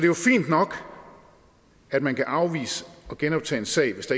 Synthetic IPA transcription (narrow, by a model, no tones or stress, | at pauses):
ɒd̥e̝jofḭːnd̥nɒ̽ɡ̥ | æd̥mænkʰæʔɑ̈ʊʋḭːsəɒ̽ɡ̥enɒ̽b̥̚t͡sʰɛ̰ːensɛ̰ɪ̰ʋe̝sd̥ɑ̈